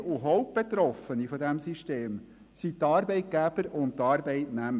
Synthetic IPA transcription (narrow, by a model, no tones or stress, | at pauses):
uɦɔʊp̚b̥et̪ɾɔfənifɔdæmsiʃteːm | sitɑːɾbɛɪt̚ɡ̥æb̥əɾʊnttːɑːɾbɛɪtnæmə